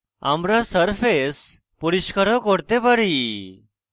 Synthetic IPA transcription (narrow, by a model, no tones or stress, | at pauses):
a̰mɾasəɾfʰes | puɾiskəɾɔ̃kɔɽt̪epəɽi